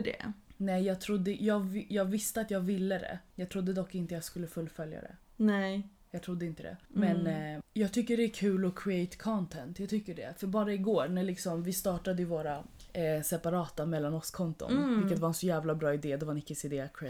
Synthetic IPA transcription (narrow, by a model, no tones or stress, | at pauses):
ɖɛ̰nɛjjɑːɡ̚t̪ʰɾʊd̪ːəjɑːɡjɑːɡvɪst̪əat̪jɑːɡvɪlːəd̪ɛ̰jɑːɡt̪ʰɾʊd̪ːəd̪ɔkːɪnt̪əjɑskɵlːəfɵlːfœlja̰d̪ɛ̰ | nɛ | jɑɡt̪ʰɾʊd̪ːəɪnt̪əd̪ɛ̰mɛnjɑːɡ̚t̪ʰʏkːəɖɛækʰʉ̟ːlɔkʰɾɪɛjt̪kʰɔnt̪ʰɛnt̪jɑɡt̪ʰʏkːəɖɛ̰fœɾbɑːɾaɪɡoːɾɳæɭɪksɔmvɪst̪ɑːʈad̪əjɵvoːɾa | sɛpaɾɑːt̪amɛlːanɔskʰɔnt̪ʊ̰nvɪlkːət̪vaɾɛnsɔjæːvlabɾɑːɪd̪eːd̪ɛvaɛnɪkːəsed̪eːkʰː